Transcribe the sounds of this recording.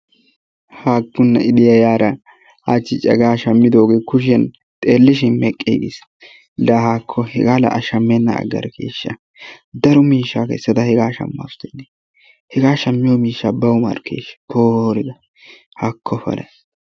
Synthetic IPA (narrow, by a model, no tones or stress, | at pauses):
haːɡːʊnːɐʔɪd̪ɪjajaːɾɐ | at͡ʃːɪt͡ʃʼɐ̰ɡaːʃɐmːɪd̪oːɡeːkʊʃ̬ɛn | t̪ʼeːlːɪʃɪnmɛkʼːḛːɡḛs | lɐhaːkʰːɔhɛɡaːlɐ̰ʔɐʃɐmːɛnːɐ̰ɐ̰ɡːɐ̰ɾkʰḛːʃːɐ | d̪ɐɾɔmiːʃːaːkɛ̰sːɐt̪ɐhɛɡaːʃɐ̰mːa̰st̪ːɛnːe | hɛɡaːʃɐmːɪjɔmiːʃːaːbɐwmɐ̰ɾkʰːḛːʃboːɾɪd̪ɐ | hakʰːɔfɐ̰lɐ̰